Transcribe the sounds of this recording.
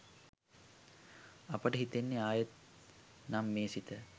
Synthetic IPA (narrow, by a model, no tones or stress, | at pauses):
apəʈəɦit̪enːeaːjət̪̚ | namːeːsit̪ə